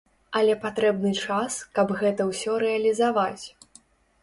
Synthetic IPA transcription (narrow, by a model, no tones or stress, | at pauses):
ɐlʲɛpat̪ɾɛbnɨt͡ʂaskɐbɣɛt̪ɐwsʲɔɾɛɐlʲizavat͡sʲ